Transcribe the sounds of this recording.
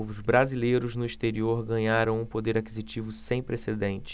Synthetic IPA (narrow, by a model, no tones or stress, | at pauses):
zbɾazilejɾʊznʊiʃt̪eɾioɾɡɐ̃ɲaɾɐ̃w̃ũpod̪eɾakizit͡ʃivʊsẽj̃pɾesed̪ẽnt͡ʃɪ̥